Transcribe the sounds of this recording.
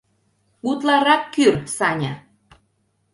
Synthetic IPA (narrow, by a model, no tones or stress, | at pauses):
ut̪lɑɾɑkːyrt̪sɑnʲɑ